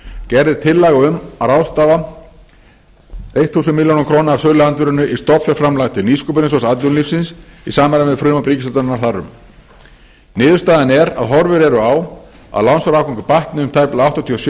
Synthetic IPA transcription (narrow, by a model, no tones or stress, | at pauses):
cɛɾðɪt̪ʰɪlːaɣaʏmaɾawst̪aːva | ejht̪θuːsʏnmɪljownakʰɾoːwnaaɾsœːlɪant̪vʏɾʏnːʏʔist̪ɔpfjɛfɾamlajɣt̪ʰɪlniskʏpʏɾɪns̬ɔsat̪lʏnlifsɪnsisaːmaɾavɛðfɾʏːmapɾiːcɪst̪at̪ɔnnːaɾ̥θarːʏ̰m | nɪːðʏɾst̪aːðɪnɛɾa̰ðɦɔɾvʏɾɛɾʏaw | a̰ðlawnsfaɾaːwkʰɔŋkʏpaht̪nɪʏmt̪ʰajplaawht̪at̪ʰiɔsj